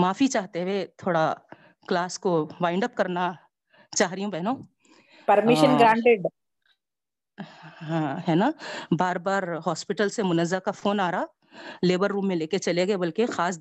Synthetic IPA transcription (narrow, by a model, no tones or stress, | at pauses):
maːfit͡ʃaːɦt̪eʋet̪ʰoːɽa | klaːskoʋaːɪ̃ɳɖəp̚kɐɾna | t͡ʃaːɦɾijũbɛɦnõː | pɐɾmɪʃənɡɾãːɳʈeɖ | ɦãɦɛːnabaːɾbaːɾɦɔːspɪʈəlsemʊnəzːakafoːnaːɾa | leːbəɾːũːmːẽleːket͡ʃɐleɡɐebɐlkexaːs